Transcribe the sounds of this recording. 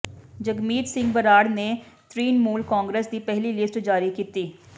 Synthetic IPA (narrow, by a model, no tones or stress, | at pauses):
d͡ʒəɡmiːt̪sɪ̃ŋɡbəɾaːɽneː | t̪ʰɾiːnmuːlkaːŋɡɾeːsd̪iːpɛɦliːlɪsʈd͡ʒaːɾiːkiːt̪iː